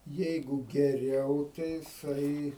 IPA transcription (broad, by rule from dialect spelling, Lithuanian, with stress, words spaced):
ˈjɛɪɡʊ ɡʲɛˈrʲɛʊ tɐɪ jɪˈsɐɪ